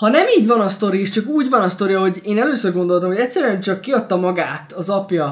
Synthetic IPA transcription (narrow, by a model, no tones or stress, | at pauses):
hɒnɛmiːɟvɒnɒst̪o̞ɾiiʃt͡ʃɒkuːɟvɒnɒst̪o̞ɾijɒɦo̞ɟeːnɛløːsøːrɡo̞nd̪o̞lt̪ɒmhoɛc̪ʲsːɛɾyɛnt͡ʃɒkːiɒt̪ːɒmɒɡaːt̪ɒzɒpjɒ